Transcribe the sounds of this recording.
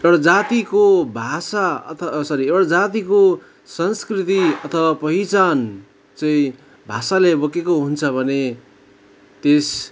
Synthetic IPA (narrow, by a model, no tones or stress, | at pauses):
ewɽʌd͡zat̪ikobʱasaʌ̰t̪ʰʌsʌɾiewɽʌd͡zat̪iko | sʌnskrit̪iʌt̪ʰʌwapʌɦit͡san | t͡sʌĩ | bʱasalebʌkekoɦunt͡sʰʌbʱʌne | t̪es